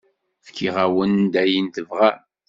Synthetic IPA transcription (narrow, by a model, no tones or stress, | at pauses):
fkʰiʁæwənd̪æjint̪əvʁa